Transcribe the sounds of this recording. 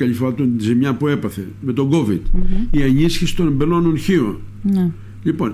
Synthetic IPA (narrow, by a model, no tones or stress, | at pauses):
ɐʎifoɾɐt̪onizimɲɐpue̞pɐθe̞ | me̞t̪o̞ɡo̞vid̪̥iɐɲisçisi̥t̪onembelononçion | ʎipo̞n